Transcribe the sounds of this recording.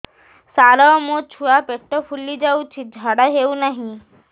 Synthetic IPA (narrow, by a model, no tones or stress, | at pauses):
saɾɔɔmõt͡ʃʰuapeʈːɔpʰulid͡ʒawt͡ʃʰid͡ʒʱaɽaɦewnaɦĩ